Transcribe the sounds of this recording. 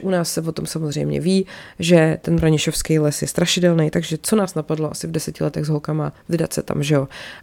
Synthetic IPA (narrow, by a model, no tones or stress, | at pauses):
ʔunaːsːɛvo̞t̪o̞msamozr̝ɛ̰jmɲɛ̰viːʒɛt̪ɛnbɾaɲɪʃofskɛjlɛsjɛst̪ɾaʃɪdɛlnɛjt̪aɡʒɛt͡so̞naːsnapadloʔasɪvdɛsɛcɪlɛt̪ɛɣzɦolkamavɪdat̪sɛt̪a̰mʒɛo̞